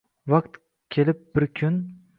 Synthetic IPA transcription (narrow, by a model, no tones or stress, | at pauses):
vaqt̪ | kʲʰe̞lɪp̚bɪɾkʲʰʊn